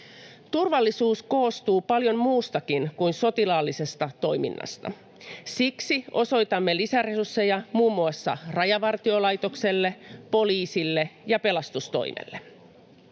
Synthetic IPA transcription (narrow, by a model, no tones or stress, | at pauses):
t̪urʋɑlːisuːsko̞ːst̪uːpɑljo̞mmuːst̪ɑkinkujnso̞t̪ilɑːlːise̞st̪ɑt̪o̞jmḭnːɑ̰st̪ɑ̰ | siksiʔo̞so̞jt̪ɑmːe̞lisæresursːe̞jɑmuːmːuɑsːɑ̰rɑjɑʋɑrt̪iolɑjt̪o̞kse̞lːe̞po̞liːsilːejɑpe̞lɑst̪ust̪o̞̰jmḛlːe